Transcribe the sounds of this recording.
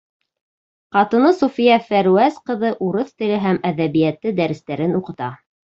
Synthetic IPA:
qɑt̪ɤ̆nɤsufijæfæɾuæsqɤ̆ðɤʔuɾɤθt̪ɘ̆lɘɦæmæðæβijæt̪ːɘd̪æɾɘ̆st̪æɾɘnuqɤ̆t̪ɑ

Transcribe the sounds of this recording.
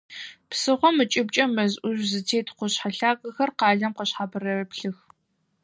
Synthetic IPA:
psɨʁʷɔmɨt͡ʃʼɪb̚t͡ʃʼɐmɐzʔʷʊʒzɨtʰeːtʰqʷʊɕħaɬaːɡʼɐxɐrqɑːɮɐmqəɕħaːbɨrɐrpɬɨx

